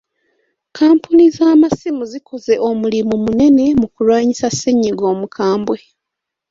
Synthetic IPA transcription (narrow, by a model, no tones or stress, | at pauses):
kʰaːmpunizaːmasimuziko̞ze̞ʔo̞mulimumune̞ne̞mukulwaːɲisasːeɲːiɡo̞ːmukʰaːmbwe̞